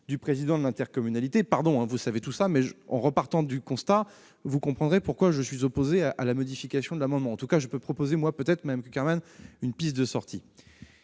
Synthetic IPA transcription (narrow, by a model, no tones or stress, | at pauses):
d̪ypχezid̪ɑ̃d̪əlɛ̃t̪ɛʁkɔmynalit̪epaʁd̪ɔ̃ɛ̃vusavet̪usamɛʒɑ̰̃ʁəpaʁt̪ɑ̃d̪ykɔ̃st̪a | vukɔ̃pχɑ̃d̪ʁepuʁkwaʒəsɥizɔpozeaʔalamɔd̪ifikʲasjɔ̃d̪əlamɑ̃d̪mɑ̃ɑ̃t̪ukaʒəpøpχɔpozemwapøt̪ɛt̪χmad̪amkʲykʲɛʁmanynpist̪̚d̪əsɔʁt̪ʰi